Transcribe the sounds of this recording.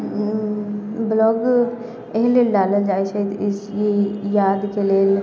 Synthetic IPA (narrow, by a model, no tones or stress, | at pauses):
blɔːɡ | eɦleːlɖaːləld͡ʒaːit͡ʃʰət̪ɪjejaːd̪keleːl